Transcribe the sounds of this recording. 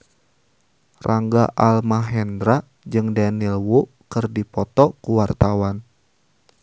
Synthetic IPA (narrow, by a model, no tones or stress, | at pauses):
rʔaŋɡaʔalmaɦɛndɾa | d͡ʒɨŋdanilwu | kɨrdipɔt̪ɔkuwart̪awan